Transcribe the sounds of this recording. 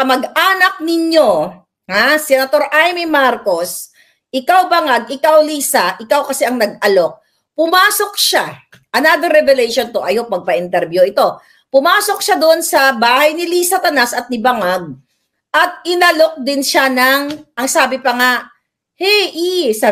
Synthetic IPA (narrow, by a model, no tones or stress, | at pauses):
ɐmɐɡʔaːnɐk̚nɪɲo̞ | hasɛnɐt̪o̞ɾʔajmimaɾko̞s | ʔɪkawbɐŋaɡ̚ʔɪkawliːsɐʔɪkawkɐsɛʔɐŋnɐɡ̚ʔɐlo̞k̚ | pʊmaːso̞k̚ʃa | ʔɐnaːd̪ɐɾɛvɛlɛjʃont̪o̞ʔɐjopɐɡ̚pɐʔɪnt̪ɛɾbjuʔɪt̪o̞ | pʊmaːso̞k̚ʃad̪oʔonsɐbaːhɐjnɪliːsɐt̪ɐnasɐt̪̚nɪbɐŋaɡ̚ | ʔɐt̪̚ɪnɐlo̞k̚d̪ɪnʃanɐŋʔɐŋsaːbɪpɐŋa | hɛjʔisɐ